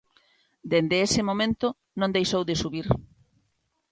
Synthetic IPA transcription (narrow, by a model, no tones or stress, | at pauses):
d̪end̪ɪesɪmomẽnt̪ʊ | nõnd̪ejʃowðɪsuβiɾ